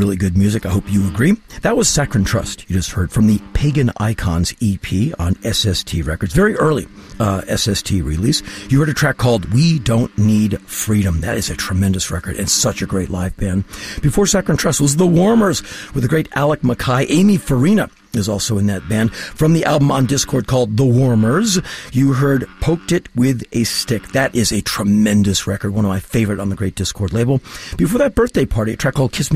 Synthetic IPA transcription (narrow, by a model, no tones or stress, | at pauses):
ɹɪlˠiɡʊd̚mjʉzɨkaɪhoʊpjɨəɡɹiðət̚wʌz̥sækɹɨ̃n̩tʰɹ̥ʌ̰stjɨd͡ʒʌst̚hɜ˞d̥fɹʌ̃mðɨpʰeɪɡɨ̃na̰ɪkʰɑ̰̃nzipʰiə̰̃nʔɛsɛstʰiɹɛkə˞dzvɛɹiʔɜ˞lˠiɛsɛstʰiɹḭlisjɨhɜ˞ɾɨtʰɹ̥ækʰːɔlˠd̚widõʊ̃nːidfɹiɾɨ̃mðɨ̰ɾɨzɨtʰɹ̥ɨmɛ̃ndɨsɹɛ̰kə̰˞ɾɨ̰̃nsʌt͡ʃɨɡɹeɪtˡlaɪvb̥æ̃nb̥ɨfɔɹsɛkə̃ntʰɹ̥ɛsl̩ˠzðəwɔɹmə˞zwɨðɨɡɹeɪɾælˠək̚məkʰaɪʔẽɪ̃mifə˞ĩnə | ɨzɔlˠsoʊɨ̃nðɨt̚b̥æ̃nd̥fɹʌ̃mðiʔælˠbə̃mə̃ndɪskʰɔɹd̚kʰɔlˠd̪̚ðəwɔɹmə˞zjɨɦɜ˞d̚pʰoʊk̚tɨt̚wɪðʔɨstɪk̚ðɨɾʔɪzɨtʰɹ̥ɨmɛ̃ndɨsɹɛkə˞d̚wʌ̃nʌvmaɪfeɪvə˞ɨɾn̩ðɨɡɹeɪt̚d̥ɪskʰɔɹdˡleɪbl̩ˠb̥ɨfɔɹðɨt̚b̥ɜ˞θd̥eɪpʰɑɹɾiɨ̰tʰɹ̥ækʰːɔlˠd̚kʰɪsm